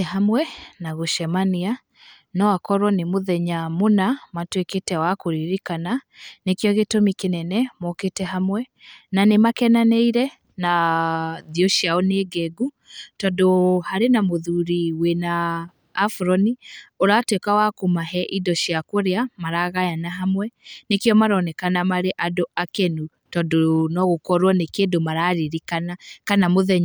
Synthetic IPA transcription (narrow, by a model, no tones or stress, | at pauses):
ɛɦamwɛnaɣoʃɛmania | nɔakɔɾwɔnemoðɛɲamonamatweketɛwakoɾiɾikananekjɔɣetomikenɛnɛmɔketɛɦamwɛ | nanemakɛnanɛiɾɛ | na | ðiɔʃiaɔneɡɛɡu | tɔndohaɾenamoðuɾiwenaː | fɾɔnioɾatwekawakomaɦɛʔidɔɕjakoɾeamaɾaɣajanaɦamwɛnekeɔmaɾɔnɛkanamaɾeʔadoʔakɛnu | tɔdonɔɣokɔɾwɔnekedomaɾaɾiɾikanakanamoðɛɲ